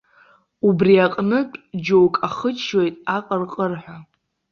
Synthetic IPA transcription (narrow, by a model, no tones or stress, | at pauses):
ubriaqʼnɨpʼd͡ʒowkʼaχət͡ʃʰʼːo̞jtʼaqʼərqʼərħʷᶣa